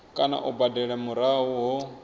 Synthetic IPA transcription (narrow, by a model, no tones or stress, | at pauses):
kʼana̰ʔubadɛɺamuɾaɦuɦɔ